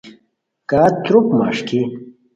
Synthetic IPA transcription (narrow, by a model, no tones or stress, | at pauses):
kaːt̪ɾukma̰ːʂki